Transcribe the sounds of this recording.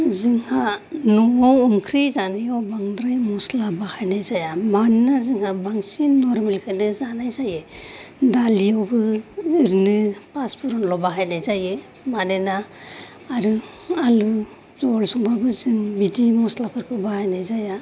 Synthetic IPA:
zɯŋhanɔwumkʰɾijzanajawbaŋdɾajmɔslabahajnajzajamanːazɯŋhabaŋsinɔɾmelkʰajnɯzanajzajɯdalijawbɯːɾnɯpaspʰuɾɔnlɔbaɦajnajzajɯ | manenaː | ɾɯ | alu | zɔlsɔŋbabɯzɯŋbidimɔslapʰɯɾkʰɯbahajnajzaja

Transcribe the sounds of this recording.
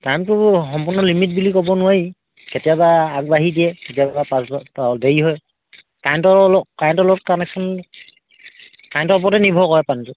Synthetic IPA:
tajmtʊxɔmpunɔlimit̚bulikɔbɔnʊwaɹi | ketijabaːk̚baɦidijɛketijababapasbdeɹiɦɔj | kajntɔɹlɔkajntɔlɔt̚kanɛksʰɔn | kajntɔɹp̬ɔtɛnibʱɔkɔɛpantʊ

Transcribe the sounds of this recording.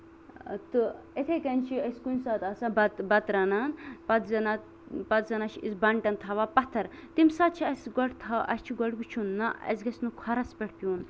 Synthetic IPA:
t̪ɨ | et̪ʰekɐnt͡ʃʰiɐsʲkunʲsaːt̪aːsabɐt̪bɐt̪ɾɐnaːnpɐt̪zɐna | pɐt̪zɐnaːt͡ʃʰiisbɐɳʈɐnt̪ʰɐʋaːpɐt̪ʰːɐɾt̪imsaːt̪̚t͡ʃʰiɐsɡɔʈt̪ʰaʔɐ̰sʲt͡ʃʰiɡɔʈɡut͡ʃʰunːaɐ̰sɡɐsʲnukʰɐɾɐspʲɐʈʰpʲjuːn

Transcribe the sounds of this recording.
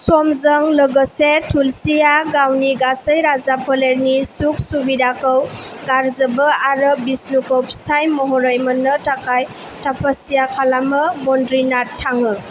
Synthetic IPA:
sɔmzəŋləɡəsetʰulsijaɡawniɡasəjɾazapʰɔleɾnisuk̚subidakəw | ɡaɾzəbəaɾɯbisnukowpsajmɔɦɔɾəjmənːətakaj | tʰapʰasijakʰalamɯmɔndɾinatʰːaŋɯ

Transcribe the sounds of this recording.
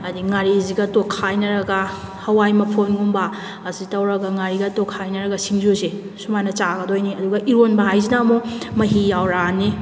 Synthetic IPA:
ɐdiŋaɾiziɡɐtokʰːajnɐɾɐɡɐhɐwajmɐpʰonɡumbɐː | sitɐwɾɐɡɐŋaɾiɡɐtokʰːajnɐɾɐɡɐsiŋzuze | sumajnɐt͡ʃaɡɐdojniɐduɡɐʔiɾonbɐɦajzinamomɐɦijawɾanːi

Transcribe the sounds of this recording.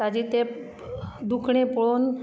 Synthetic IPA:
ad͡ʑit̪e | d̪ukʰɽ̃ẽpɔɭon

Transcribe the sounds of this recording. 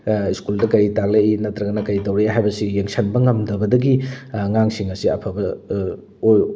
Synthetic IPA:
iskuldɐkɐɾitakleinɐtɾɐɡɐnɐkɐɾitɐwɾeɦajbɐsijeŋsʰɐnbɐŋɐmdɐbɐdɐɡiŋaŋsiŋɐsiɐ̰pʰɐbɐ

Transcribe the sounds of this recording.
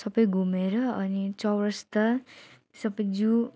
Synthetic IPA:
sʌbʌjɡʱumeɾʌʌnit͡sʌwɾʌst̪ʌ | sʌbʌjd͡zu

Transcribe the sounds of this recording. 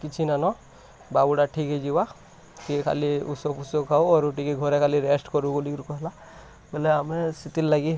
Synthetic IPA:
kit͡ʃʰinanɔ | babuɽaʈʰikɦed͡ʒiwa | kikʰa̰liusopusokʰauɔɾoʈikeɡʱɔɾekʰaliɾesʈkɔɾukolikɾkɔɦla | beleamesit̪ilːaɡi

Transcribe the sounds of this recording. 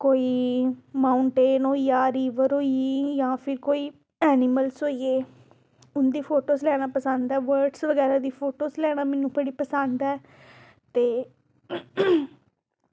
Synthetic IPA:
koːiːmaːʊɳʈeːnoːijaːɾiːʋəɾɦoːiejãːpʰɪɾkoːiː | ɛːnɪməlsoːieː | ʊnd̪iːpʰoːʈoːslɛːɽ̃aːpəsənd̪ɛːʋəɾɖsʋəɡɛːɾaːd̪iːpʰoːʈoːslɛːɽ̃aːmɛ̃ːnũːpəɽiːpəsənd̪ɛː | t̪eː

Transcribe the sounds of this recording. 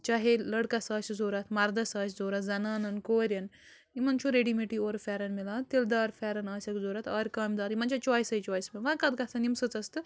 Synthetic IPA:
t͡ʃaːɦelɐɽkɐsaːsʲzoːɾɐt̪ʰmɐɾd̪ɐsaːszoːɾɐt̪zɐnaːnɐnkoːɾʲjɐn | imɐnt͡ʃʰuɾeɖimeʈioːɾfʲɛːɾɐnmilãːt̪ild̪aːɾfʰʲɛːɾɐnaːsʲɐkzoːɾɐt̪ʰaːɾʲkaːmd̪aːɾimɐnt͡ʃʰot͡ʃwaːisɐit͡ʃwaːismeʋɐ̃kɐd̪̚kɐsʰɐnimsɨt͡sɐst̪ɨ

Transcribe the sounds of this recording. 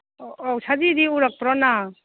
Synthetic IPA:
ɔwsadidiuɾak̚pɾɔna

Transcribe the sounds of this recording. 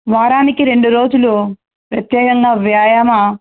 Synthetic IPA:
ʋaːɾaːnikiɾe̞ɳɖuɾo̞ːd͡ʒulu | pɾɐt̪jɛːkɐŋɡaːʋjaːjɐma

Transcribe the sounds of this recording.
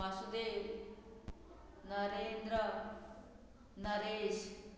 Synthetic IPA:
ɐsud̪e | nɐɾeːnd̪ɾə | nɐɾeːs

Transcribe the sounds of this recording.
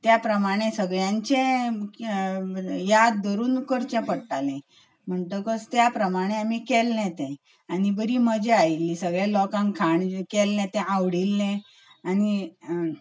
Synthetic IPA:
t̪japɾəmaɽ̃esəɡɭjãɲt͡ɕẽ | jad̪ːəɾuːnkəɾt͡ɕɛ̃pəɽʈalɛ̃ | m̤əɳt̪əkəst̪japɾəmaɽ̃eamikɛlːɛ̃t̪ɛ̃ | aɽ̃ibəɾiːməd͡ʑeailːisəɡɭelɔkãŋkʰaɳkɛlːɛ̃t̪ɛ̃ʔaʋɽilːɛ̃ | aɽ̃i

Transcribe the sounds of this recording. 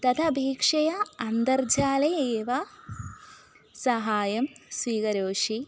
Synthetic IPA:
t̪ɐt̪ʰɐbʱiːkʂɐjɐɐnd̪ɐrd͡ʑaːlɐeːʋɐ | sɐɦaːjɐmsʋiːkɐɾoːʂi

